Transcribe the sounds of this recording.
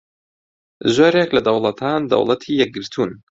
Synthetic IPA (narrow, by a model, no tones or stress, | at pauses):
zoːɾeklɐd̪ɐwlˠɐt̪ʰaːnd̪ɐ̰wlˠɐt̪ʰiːjɛk̚ɡɨɾt̪ʰuːn